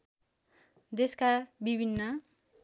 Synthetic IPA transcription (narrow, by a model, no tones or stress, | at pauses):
d̪eskabibʱinːʌ